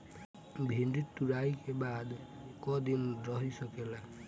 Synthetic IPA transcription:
bʱinɖit̪uɾajkebad̪kʌd̪inrʌɦisʌkela

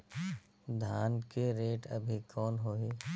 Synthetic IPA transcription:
d̪ʱaːnkeɾeːʈɐ̰bʱikʰɔːnɦoːɦiː

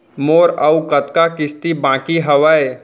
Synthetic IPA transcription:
moːɾɐukɐt̪kakɪst̪ibãːkiɦɐʋae

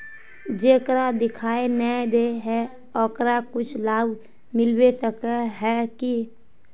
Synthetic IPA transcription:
d͡ʒeːkɾad̪ɪkʰaːenəd̪eɦɛ | ɔkɾakʊt͡ʃʰlaːb | mɪlwesəkəɦɛki

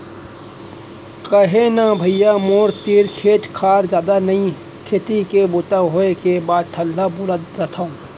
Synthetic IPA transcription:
kɐɦenabʱɐijamoːɾt̪iːɾkʰeːt̪kʰaːɾzjaːd̪anɐĩ | kʰeːt̪ikebʊt̪aɦoekebaːd̪̚t̪ʰəlːabʊɾad̪zɐt̪ʰaõ

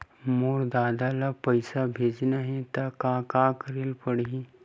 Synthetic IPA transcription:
moːɾd̪aːd̪alapɐɪsabʱeːd͡ʒnaɦɛ̃t̪akaːkãːkəɾɪlpəɽii

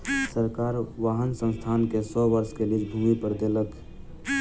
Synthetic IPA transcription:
səɾkaːɾʋaːɦənsə̃nst̪ʰankesɔʋəɾskelid͡ʒbʱumipəɾd̪elək

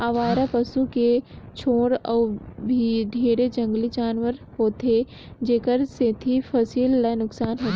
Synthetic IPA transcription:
aːʋaːɾapɐsuket͡ʃʰoːɽɔːbʱiɖʱeːɾed͡ʒə̃ŋɡlid͡ʒaːnʋəɾhoːt̪e | d͡ʒeːkəɾset̪ʰifʰɐsiːlːanʊksaːnɦoːt̪ː

